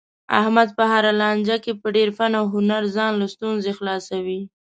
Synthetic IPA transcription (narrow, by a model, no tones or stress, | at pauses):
a̰hmad̪̚pəhaɾalɑnd͡ʒakepəɖeɾfanawɦʊnaɾzɑnlast̪unzexlɑsawi